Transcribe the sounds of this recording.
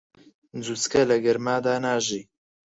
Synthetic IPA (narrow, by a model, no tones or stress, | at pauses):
nd͡zuskɐlɐɡɐɾmaːd̪aːnaːʒiː